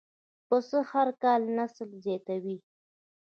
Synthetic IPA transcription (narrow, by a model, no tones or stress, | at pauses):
pəsəhaɾkɑlnaslzɑt̪awi